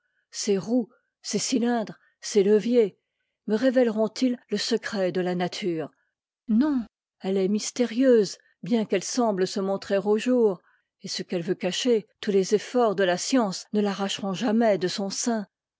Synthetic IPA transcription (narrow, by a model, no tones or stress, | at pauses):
seʁu | sesilɛ̃d̪ʁ | seləvje | məʁevɛlʁɔ̃t̪ʰilləsəkχɛd̪əlanat̪ʰyːʁ | nɔ̃ | ɛlɛmist̪eʁjøz | bjɛ̃kɛlsɑ̃bləsəmɔ̃t̪χeʁoʒuːʁ | esəkɛlvøkaʃet̪ulezefɔʁd̪əlasjɑ̃snəlaʁaʃʁɔ̃ʒamɛd̪əsɔ̃sɛ̃